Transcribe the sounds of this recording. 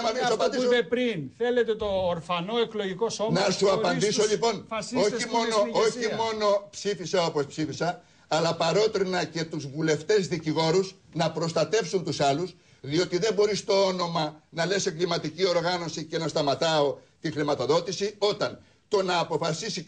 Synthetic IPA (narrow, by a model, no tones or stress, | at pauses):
ɐiɐpɐnd̪iseɾinθelet̪et̪oːɾfɐnoekloʝikosonɐsuɐpɐnd̪isoʎipo̞noimonooçimo̞no̞psifisɐo̞po̞spsifisɐː | lɐpɐɾo̞t̪ɾinɐce̞t̪uzvule̞ft̪e̞zðiciɣo̞ɾuznɐpɾo̞st̪ɐt̪e̞fsunt̪usɐlus | ðio̞t̪iðe̞mbo̞ɾist̪o̞o̞no̞mɐnɐle̞se̞ŋɡlimɐt̪icio̞ɾɣɐno̞sice̞nɐst̪ɐmɐt̪ɐo̞ | t̪ixɾimɐt̪o̞ðo̞t̪isio̞t̪ɐn | t̪o̞nɐːpo̞fɐsisi